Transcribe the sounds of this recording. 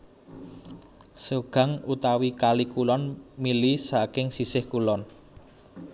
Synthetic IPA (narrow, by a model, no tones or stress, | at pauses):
səɡ̥ä̤ŋut̪awikalikulɔnmilisakɪŋsisɪhkulɔn